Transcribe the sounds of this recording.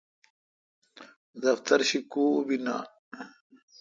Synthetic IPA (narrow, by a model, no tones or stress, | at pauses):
d̪ɐft̪ɐɾɕikuːbina̰ː